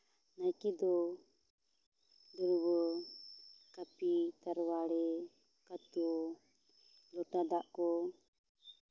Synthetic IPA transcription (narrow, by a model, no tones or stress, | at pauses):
najkid̪ɔ | dɔɾwɔ | kapit̪aɾwaɾɛ | kat̪ɔ | lɔʈad̪aʔkɔ